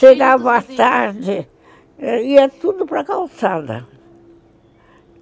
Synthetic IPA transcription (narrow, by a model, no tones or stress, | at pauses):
eɡavat̪aɾd̪ɪ | iɐt̪ud̪ʊpɾɐkalˠsad̪ɐ̰